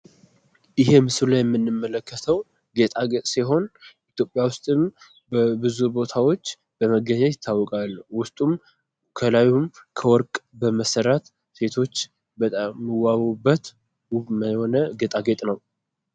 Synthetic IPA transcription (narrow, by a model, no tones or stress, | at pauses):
ʔjɪɦemɨsɨlajɛmːɨnːɨmːələkːət̪ʰəw | ɡet̪ʼaɡet̪ʼsiɦo̞nʔit̪jo̞pʼːjawʊst̪ʼɨm | bbɨzubo̞t̪ʰawo̞t͡ʃː | b̥əməɡəɲajɪt̪ʰːawːɔkʼalwʊst̪ʼum | kʰəlajumkʰəwɔɾkʼbəməsəɾat̪ | se̞t̪ʰo̞t͡ʃː | bət̪ʼamːɨwːaβubːət̪ | məho̞nəɡet̪ʼaɡet̪ʼnəw